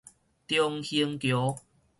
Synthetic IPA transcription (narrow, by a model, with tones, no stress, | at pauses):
t̪jɔ˧ŋhi˧əŋkjo˨˦